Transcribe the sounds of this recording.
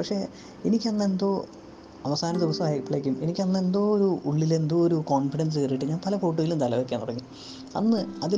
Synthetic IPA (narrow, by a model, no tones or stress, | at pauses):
pɐkʂe̞ː | enikʲːɐnːe̞nd̪o̞ː | ɐʋɐsaːnɐd̪iʋɐsɐmaːjɐkpːiɭeːkʲːume̞nikʲːɐnːe̞nd̪oːoɾuʔuɭːile̞nd̪ooɾuko̞ːnfiɽɐns̬eriʈːɨɲaːnpɐlɐfo̞ːʈ̬ːuɣɐlumt̪ɐlɐʋɐkʲːaːnːuɽɐŋːi | ɐ̰nːɨɐði